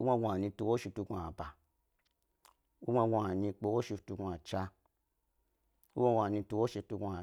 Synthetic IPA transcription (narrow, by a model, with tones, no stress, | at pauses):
u˦a˧˦ɡʷa˨nĩ˧tu˧wo˦ʃi˧tu˧ɡʷa˨ba˨ | u˦ɡʷa˧˦ɡʷa˨nĩ˧k͡po˧wo˦ʃi˧tu˧ɡu˧a˨t͡ʃa˧ | ṵ˦a˧˦ɡʷa˨nĩ˧tu˧wo˦ʃi˧tu˧ɡʷa˨